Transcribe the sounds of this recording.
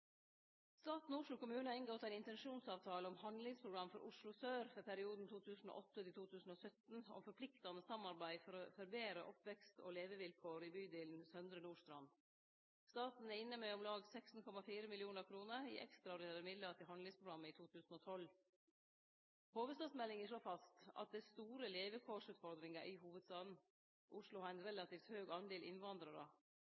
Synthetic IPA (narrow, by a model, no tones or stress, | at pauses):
st̪ɑːt̪n̩ʊːʂlʊkʊmʉːnəɑɪŋɡɔt̪æɪnɪnt̪ɛnʃuːnsɑːʋt̪ʰɑːləɔmhɑnd̪lɪŋspʰɾʊɡɾɑmfɔɾʔʊʂlʊsøːɾfœpʰæɾɪuːd̪n̩t̪ʰuːt̪ʰʉːsn̩o̰ːʔɔt̪ːət̪ɪt̪uːt̪ʰʉːsn̩oːsœt̪n̩ɔ̰mfɔɾpʰlɪkt̪ɑnəsɑmːɑɾbæɪfɔɾofœɾbeːɾəʔɔpʋɛkst̪ʰo̰ːleːʋəʋɪlkʰoːɾiːbyːd̪eːln̩sœnd̪ɾənuːʂt̪ɾɑn | st̪ɑːt̪n̩æɾɪnːəmɛɔmlɑːɡsɛksn̩kʰɔmɑfiːɾəmɪlɪuːnəɾkʰɾuːnəɾḭːʔɛ̰kst̪ɾɑɔɾɪeːɾəmɪd̪lət̪ɪɦɑnd̪lɪŋspʰɾʊɡɾɑmːəɪːt̪ʰuːt̪ʰʉːsn̩oːt̪ʰɔl | hoːʋəst̪ɑːd̪smɛlːɪŋəʂɭoːfɑst̪ɑ̰t̪̚d̪ɛst̪uːɾəleːʋəkʰoːʂʉːt̪fɔɾd̪ɾɪŋɑʔɪɦuːʋəd̪st̪ɑːd̪n̩ | ʔʊʂɭʊhɑɾæɪnɾɛlɑt̪iːft̪høːɡɑnd̪eːlʔɪnʋɑnd̪ɾɑɾə